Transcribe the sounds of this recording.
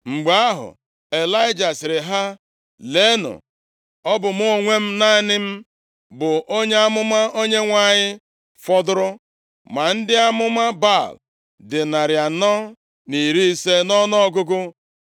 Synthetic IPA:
ŋ͡m̩˨ɡ͡ba˨a˦ɦʊ̰˨ | e˨la˦ɪ˦d͡ʒa˨sɪ˨ɾɪ˨ɦa˦ | le˦nʊ̰˨ | ɔ˦bʊ˨m̩˦ʊ˦ŋʷe˦m̩˦na˦˨nɪ˦m̩˦ | bʊ˨ʔo˦ɲe˦a˦mʊ˦ma˦o˦ɲe˦ŋʷa˦˨ɲɪ˦ | fɔ˦dʊ˦ɾʊ˦ | ma˨n̩˦dɪ˦a˦mʊ˦ma˦ba˦˨l | dɪ˨na˨ɾja˨nɔ˦ | ni˨ɾi˦i˦se˦nɔ˦nɔ˦ɡʊ˦ɡʊ˦

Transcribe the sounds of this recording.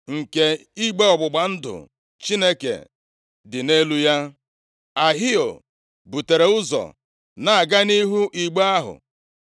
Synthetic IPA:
ŋ̩˨ke˨i˦ɡ͡be˦ɔ˨ɡ͡bʊ˨ɡ͡ba˨n̩˦dʊ̰˨ | t͡ʃi˦ne˦kḛ˨ | dɪ˨ne˦lu˦ja˦ | a˨ɦi˦o̰˨ | bu˨te˨ɾe˨ʊ˦zɔ̰˨ | na˨a˨ɡa˦ni˦ɦu˦ʔi˨ɡ͡ba˦a˦ɦʊ̰˨

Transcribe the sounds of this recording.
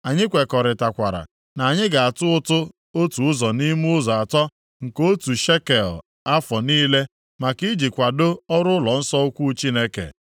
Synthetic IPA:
a˨ɲɪ˦kʷe˨kɔ˨ɾɪ˨ta˨kʷa˨ɾa̰˨ | na˨a˨ɲɪ˦ɡa˨a˨tʊ˦ʊ˦tʊ˦ | o˦tu˨ʊ˦zɔ˨ni˦m˦ʊ˦zɔ˨a˨tɔ˦ | ŋ̩˨ko˦tu˨ʃe˦ke˨l | a˦fɔ˨niː˦le˦ | ma˨ki˦d͡ʒi˨kʷa˨do˦ɔ˦ɾʊ˦lɔ˨n̩˦sɔ˦ʊ˦kʷu˦t͡ʃi˦ne˦kḛ˨

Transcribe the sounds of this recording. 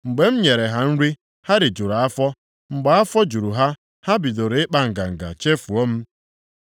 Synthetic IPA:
ŋ͡m̩˨ɡ͡be˨m̩˦ɲe˨ɾe˨ɦa˦n̩˦ɾi˦ | ha˦ɾɪ˨d͡ʒu˨ɾa˨a˦fɔ˦ | ŋ͡m̩˨ɡ͡ba˨˦a˦fɔ˦d͡ʒu˨ɾu˨ɦa˦ | ha˦bi˨do˨ɾe˨˦ɪ˦k͡pa˨ŋ̩˨ɡa̰˨ŋ̩˨ɡa̰˨t͡ʃe˦fu˨o˦m̩˦

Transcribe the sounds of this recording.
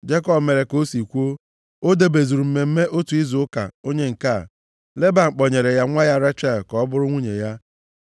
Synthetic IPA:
d͡ʒe˦kɔ˦bme˨ɾe˨ko˦si˨kʷo˦ | o˦de˦be˨zu˨ɾu˨m̩˨me˨m̩˦me˦ʔo˦tu˨i˦zʊ˨ʊ˦ka̰˨o˦ɲe˦ŋ̩˨ka˦˨ | le˦ba˨ŋ͡m̩˨k͡pɔ˨ɲe˨ɾe˨ja˦ŋʷa˦ja˦ɾa˦t͡ʃa˦˨lkɔ˦ɔ˦bʊ˦ɾʊ˦ŋʷu˦ɲe˨ja˦

